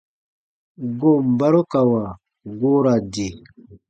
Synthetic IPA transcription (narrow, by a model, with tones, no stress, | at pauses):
ɡo˦˨m˨ba˦ɾo˦ka˨wa˨ | ɡo˦ɾa˨d͡ʒe˨